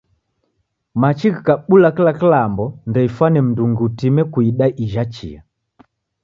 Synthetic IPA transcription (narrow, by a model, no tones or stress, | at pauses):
mat͡ʃikikaɓulakilakilambɔndɛifwanɛm̩duŋɡiutimɛkuiɗaʔiʒat͡ʃḭa̰